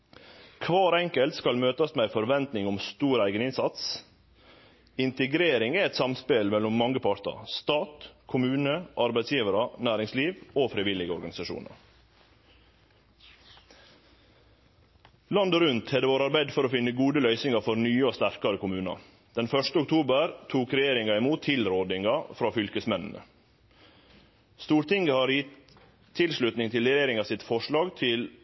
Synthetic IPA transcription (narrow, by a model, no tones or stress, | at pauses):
kʰʋɑːɾɛŋkəlt̪skɑlmøːt̪ɑsmeæɪfɔɾʋɛnt̪nɪŋʊmst̪uːɾæɪɡənɪnsɑt̪s | ɪnt̪əɡɾeːɾɪŋæɛt̪sɑmspelmɛlɔmːɑŋːəpʰɑɾʈ̪ə̰ɾst̪ɑːt̪kʰʊmʉːnəʔɑɾbæɪt̪sjiːʋəɾɑnæːɾɪŋsliːʋoːfɾɪʋɪlɪɡəɔɾɡɑnɪsɑʃṵːnɑ̰ɾ | lɑnd̪oɾʉnt̪hɛd̪əʋoːɾɑɾbæɪd̪fɔɾoːfɪnːəɡuːd̪əlœʏsɪŋɑfɔɾnyːəoːst̪æɾkɑɾəkʊmʉːnɑ̰ | d̪̥ɛnfœʂt̪əʊk̚t̪ʰuːbəɾt̪ʰuːkɾɛjeːɾɪŋɑɪmuːt̪ʰːɪlɾoːd̪ɪŋɑfɾɑːfʏlkəsmɛnn̩ə̰ | st̪uːɾt̪ɪŋɡəhɑːɾjɪt̪ʰː | ɪlsɭʉt̪nɪŋt̪ʰɪlɾɛjeːɾɪŋɑːsɪt̪fɔʂɭɑːɡt̪ʰɪl